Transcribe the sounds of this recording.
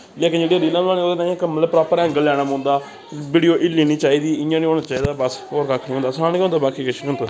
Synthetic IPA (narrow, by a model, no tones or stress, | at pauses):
leːkɪnd͡ʒeːɽiaːɾiːlãːaːnĩoːd̪eːt̪ãːãkmət̪ləb̚pɾaːpəɾɛ̃ːŋɡəllɛːɽamʊ̃ːnd̪aː | biːɽijoːʔɪliːnĩːt͡ʃaːiːd̪iːɪjãːnĩːoːnaːt͡ʃaːiːd̪aːbəsoːɾkakʰnĩːɦʊ̃ːnd̪aːsaːnkɦʊ̃nd̪aːbaːkiːkɪʃʰnĩːɦʊnaː